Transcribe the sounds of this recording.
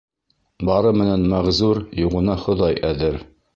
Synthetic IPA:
bɑɾɤmɘ̆nænmæʁzuɾjuʁɤ̆nɑχŏðɑjæðɘɾ

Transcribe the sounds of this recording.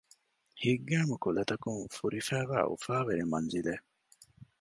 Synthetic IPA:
hiɡːæːmukulɐt̪ɐkuŋfuɾifæːʋæ̰ːʔṵfæːʋeɾemmɐnzile

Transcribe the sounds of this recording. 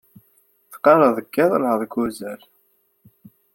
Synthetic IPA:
θqːɑɾəðˤəkːæðˤəlhəðˤɡuzæl

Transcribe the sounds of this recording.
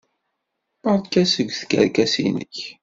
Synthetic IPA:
əɾˤd̪kæsəɡʷːθkə̰ɾkæsḭnə̰ç

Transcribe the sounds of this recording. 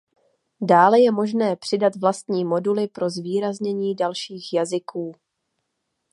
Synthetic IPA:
daːlɛjɛmo̞ʒnɛːpr̝̥ɪdat̪vlast̪ɲiːmo̞dulɪpɾo̞zviːɾazɲɛɲiːdalʃiːxjazɪkʰuː

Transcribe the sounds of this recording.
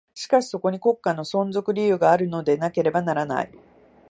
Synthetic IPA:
ɕi̥kaɕi̥so̞ko̞ɲ̟iko̞kːano̞sõ̞nzo̞kɯ̟ɾʲijɯ̟ːɡaːɾɯ̟no̞d̪e̞nake̞ɾe̞banaɾana̰i

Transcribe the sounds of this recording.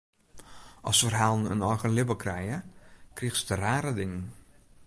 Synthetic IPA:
ʔɔ̰sfərɦaːlˠnə̰nɔjɣənlɪbəlkrɛjəkrixsdəraːɾədɪŋən

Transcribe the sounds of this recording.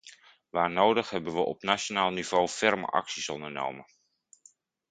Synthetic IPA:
ʋaːɹnowdəχɦɛbənʋəʔɔpnaonaːlˠniv̥owfɛɹmə̰ʔɑ̰ksisɔndəɹno̰wmə

